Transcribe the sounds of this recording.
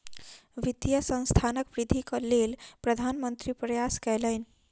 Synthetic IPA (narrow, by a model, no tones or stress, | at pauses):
ʋit̪jəsə̃nst̪ʰanəkʋɾid̪ʱikəlelpɾəd̪ʱanmənt̪ɾipɾəjaskɛlən